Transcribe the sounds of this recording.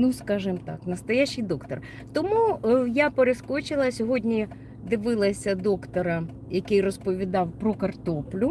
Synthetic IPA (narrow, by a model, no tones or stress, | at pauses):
nuskɑʒɪmt̪ɑ̰knɐst̪ɔjat͡ʃːɪjd̪ɔkt̪ɔr | t̪ɔmujapeɾeskɔt͡ʃɪlˠɐsʲɔɦɔdʲnʲi | d̪ɪʋɪlˠɐsʲɐd̪ɔkt̪ɔɾɐ | jɐkɪjrɔspɔʋʲid̪ɑwpɾɔkɐrt̪ɔplʲʊ